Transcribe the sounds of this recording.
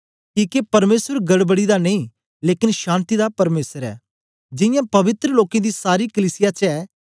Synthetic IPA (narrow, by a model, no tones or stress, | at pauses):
kiːkepɐɾmeːsəɾɡɐɽbəɽid̪aneĩ | leːkɪnʃãːnt̪id̪apɐɾmeːsəɾɛ̰ː | d͡ʒɪjãpɐʋɪt̪ɾəloːkẽd̪isaːɾikəliːsɪjat͡ʃɛː